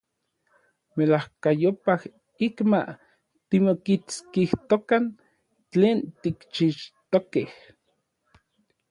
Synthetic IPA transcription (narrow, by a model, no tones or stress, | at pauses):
melahkajopah | ikma̰ | t̪imokit͡skiht̪okan | t͡ɬeːnt̪ikt͡ʃiʃt̪okeh